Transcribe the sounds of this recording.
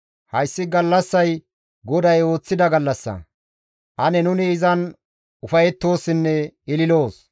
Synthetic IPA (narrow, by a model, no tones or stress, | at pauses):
hɐjsːɪɡɐlːɐsːɐj | ɡɔd̪ɐjo̞ːt͡sːɪd̪ɐɡɐlːɐsːɐ̰ | ʔɐnɛnʊnɪːzɐn | ʊfɐjɛt̪ːo̞ːsːɪnːɛɪlɪlo̞ːs